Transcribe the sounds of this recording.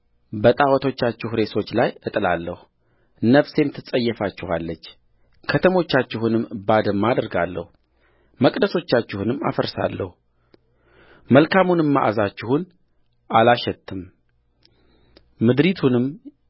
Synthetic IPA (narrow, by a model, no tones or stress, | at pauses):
bət̪ʼawɔt̪ʰo̞t͡ʃːat͡ʃːɪhɾe̞so̞t͡ʃːlajɨt̪ʼɨlalːəhu | nəβse̞mt̪ʰɨt͡sʼəjːɛfat͡ʃːɪhalːət͡ʃː | kʰət̪ʰəmo̞t͡ʃːat͡ʃːɪhunɨmbad̪əmːad̪ɨɾɡalːə̰hu | məkʼd̪əso̞t͡ʃːat͡ʃːɪhunɨmːa̰fəɾsa̰lːə̰hu | məlkʰamunɨmːaʔazat͡ʃːɪhun | ʔalaʃɛt̪ʰːɨm | ɨd̪ɾit̪ʰunɨm